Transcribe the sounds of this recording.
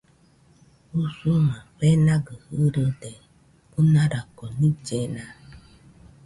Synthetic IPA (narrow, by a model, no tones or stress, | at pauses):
usumãɸɛnãɡəhəɾədɛ | unaɾakɔnĩd͡ʒɛna